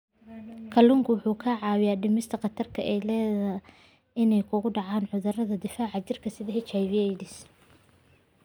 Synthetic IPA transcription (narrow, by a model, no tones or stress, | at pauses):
kʰɐlʊŋkʰʊwʊħuːkʰaːʕɑːwɪjaɖɪmɪst̪ʰɐqɑt̪ʰɐrkʰɐʔɛjlɛːðɐ | ɪnɛjkʰʊɣʊɖɑʕɑːnʕʊðɐrɐðɐd̪ɪfaːʕɑt͡ʃɪrkʰɐsɪðɐhɛt͡ʃɐjβɪɛjdɪs